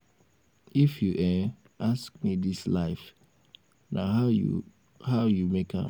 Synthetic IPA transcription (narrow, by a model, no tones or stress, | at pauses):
ifjuʔɛ | ask̚midislaɪf | na̰ | haʊjumekʰã̰m